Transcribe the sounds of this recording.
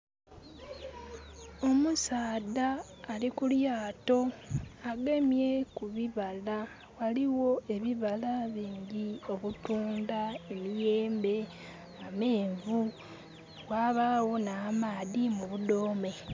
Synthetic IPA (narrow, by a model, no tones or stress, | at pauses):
o̞musaːdaː | likuljaːto̞aɡemje̞kuβiβala | waliwo̞e̞βiβalaβiːɲɟio̞βutuːndaemije̞ːmbe̞ | ameːɱvu | waːβawo̞namaːðimuβudoːme̞